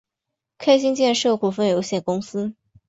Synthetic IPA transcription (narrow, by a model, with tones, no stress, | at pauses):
kʰa˥ɪɕi˥ŋt͡ɕjɛ˥˧nʂɤ˥˩kʰwɔ˨˩fə˥njo˧˥ʊɕjɛ˥˩nkʊ˥ŋsɹ̩˥